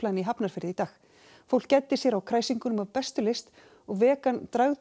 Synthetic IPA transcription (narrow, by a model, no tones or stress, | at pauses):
lajniɦapnaɾ̥fɪɾɪðɪit̪aːx | fowl̥cɛt̪ːɪsjɛɾawkʰɾaːjsiŋkʏnʏmavpɛst̪ʏlɪst̪ | ɔɣvɛːkant̪ɾaɣ